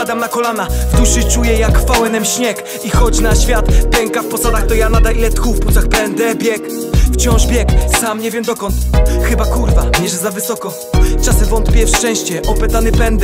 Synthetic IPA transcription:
ad̪amnakɔlanavd̪uʂɘt͡ʂujɛjakfawɛnɛmɕɲɛk | ixɔd͡ʑnaɕfʲjat̪pʲɛŋkafpɔsad̪axt̪ɔjanad̪ailɛt̪xufput̪saxpɛnd̪ɛbʲjɛk | ft͡ɕɔ̃w̃ʐbʲjɛksamɲɛvʲjɛmd̪ɔkɔnt̪xɘbakuɾvamʲjɛʐɛzavɘsɔkɔ | t͡ʂasɛvɔnt̪pʲjɛfʂt͡ʂɛ̃w̃ɕt͡ɕɛʔɔpɛt̪anɘpɛnd̪ɛ

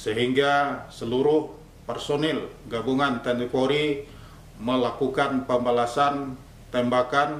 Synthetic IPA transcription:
səɦiŋɡasəluɾʊh | pərsonɛlɡabuŋant̪ɛnikoɾi | məlakukanpəmbalasan | t̪ɛmbakan

